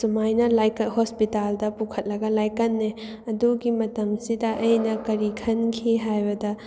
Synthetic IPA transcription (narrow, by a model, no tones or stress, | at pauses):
sumajnɐlajkɐhospitaldɐpukʰɐt̚lɐɡɐlajkɐnːe | ɐduɡimɐtɐmsidɐʔɐjnɐkɐɾikʰɐnkʰiɦajbɐdɐ